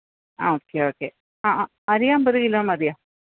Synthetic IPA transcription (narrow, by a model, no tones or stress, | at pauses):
aoːkːeoːkːe | aa | ɐɾijaːmbɐɾiɣilaːmɐɾijaːm